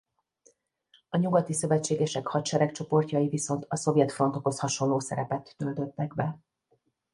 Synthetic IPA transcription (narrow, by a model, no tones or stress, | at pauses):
ɒɲuɡɒt̪isø̞vɛt͡ʃːeːɡɛʃɛkhɒtʃɛɾɛkt͡ʃo̞po̞rcɒjiviso̞nt̪ɒso̞vjɛt̪fro̞nt̪o̞ko̞shɒʃo̞nloːsɛ̰ɾɛpɛt̪ːøld̪ø̞t̪ːɛɡbɛ